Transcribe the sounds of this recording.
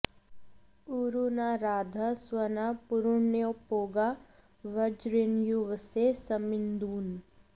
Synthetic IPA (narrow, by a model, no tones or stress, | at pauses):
uːɾunaɾaːd̪ʱaswənapʊɾʊɳjopoːɡa | ʋəd͡ʒɾinjuʋsesəmɪnd̪uːn